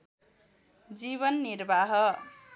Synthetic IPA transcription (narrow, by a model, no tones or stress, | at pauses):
d͡ziβʌnːiɾbʱaɦʌ